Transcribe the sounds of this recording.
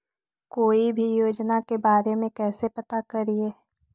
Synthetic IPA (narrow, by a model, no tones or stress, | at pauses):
koːibʱijoːd͡ʒnakebaːɾemẽkɛːsepɐt̪akɐɾie